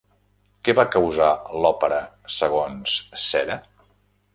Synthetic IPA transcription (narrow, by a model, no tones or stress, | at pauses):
kɛβakəwzalɔpəɾə | səɣ̞onsːɛɾə